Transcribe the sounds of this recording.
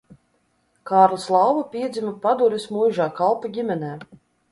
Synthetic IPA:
kɑːɾlˠaslˠɑwvupʲiɛd̪zʲimapad̪uɾʲismujʒaːkalˠpaɡʲimʲɛnɛː

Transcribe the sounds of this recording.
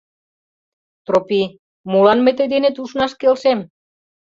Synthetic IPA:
t̪ropi | mulɑnmet̪ed̪enet̪uʃnɑʃkelʃem

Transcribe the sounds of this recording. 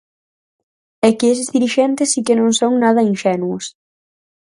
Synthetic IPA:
ɛkɪes̬ɪzðiɾiʃɛnt̪ɪsikɪnõŋsoŋnað̞ɐinʃɛnuʊs

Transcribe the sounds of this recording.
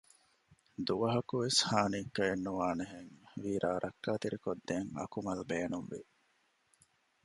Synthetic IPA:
d̪uʋɐɦɐkuʋeshaːniːkːɐenːuʋaːneɦeŋʋiːɾʔaːɾʔɐkːaːt̪iɾikod̪ːeŋɐ̰kumɐlbeːnumʋḭ

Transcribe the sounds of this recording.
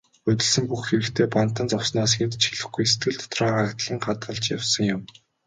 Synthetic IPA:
ɵt̪ʲɪ̆ɮsɘ̆mpuxxeɾɘ̆kt̪ʰeːpan̥t̪ə̆nt͡sɔwsnaːsxent̪t͡ɕxiɮɘ̆xɡujse̥t̪ɡɘ̆ɮt̪ʰɔ̥t̪rɔːɢakt̪ɮiːŋɢat̪ɢə̆ɮt͡ɕjawsə̆ŋjʊm

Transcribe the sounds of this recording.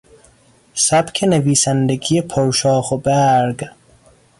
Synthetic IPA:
sæbkʰeneviːsænd̪eɡijepʰɔwʃɑːχobæɾɡ

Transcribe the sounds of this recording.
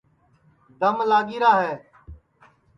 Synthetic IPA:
d̪əmlaːɡiːɾaːɦɛː

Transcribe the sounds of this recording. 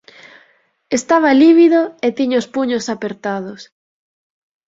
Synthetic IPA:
est̪aβ̞ɐliβ̞iðoet̪iɲʊspuɲosapeɾt̪að̞ʊs

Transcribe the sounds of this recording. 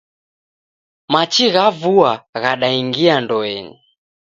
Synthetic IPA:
mat͡ʃiɣavuaɣaɗaiŋɡiandɔɛni

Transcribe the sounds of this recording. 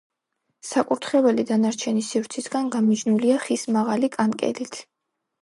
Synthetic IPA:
sakʼuɾt̪ʰχɛvɛlid̪anaɾt͡ʃʰɛnisivɾt̪sʰisɡanɡamid͡ʒnuliaχismaʁalikʼankʼɛ̰lit̪ʰ

